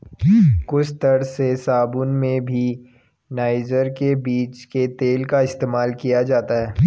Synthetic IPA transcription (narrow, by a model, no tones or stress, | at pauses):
kʊt͡ʃʰt̪ɐɽsesaːbʊnmẽbʱi | naːɪd͡ʒəɾkebiːt͡ʃket̪eːlkaɪst̪eːmaːlkijad͡ʒaːt̪aɦɛː